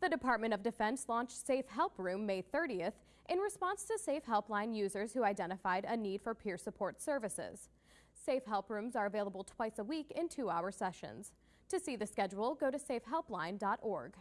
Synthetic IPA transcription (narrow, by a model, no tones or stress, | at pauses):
ðɨdɨpʰɑɹt̚mɨ̃ɾ̃ʌvdɨfɛ̃nslɔ̃nt͡ʃtseɪfhɛlˠpɹʉ̃mːeɪθɜ˞ɾiɨθ | ʔɨ̃nɹɨspɑ̃nstʰɨseɪfɦɛlˠplãɪ̃njʉzə˞z̥hʉaɪdɛ̃ɾ̃ɨfaɪɾɨnid̥fə˞pʰɪɹsəpʰɔɹtsɜ˞vɨsɪ̰z̥ | seɪfɦɛlˠpɹʉ̃mzə˞ɨveɪlˠəbl̩ˠtʰw̥aɪsəwikɪ̃ntʰʉaʊə˞sɛʃɨ̰̃nz̥ | tʰɨsiðɨskɛd͡ʒwl̩ˠɡoʊɾɨseɪfɦɛlˠplãɪ̃ndɑɾɔɹɡ̥